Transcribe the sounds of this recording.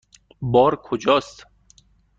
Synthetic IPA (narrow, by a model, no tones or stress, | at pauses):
bɒːɾkʰod͡ʒɒːst̪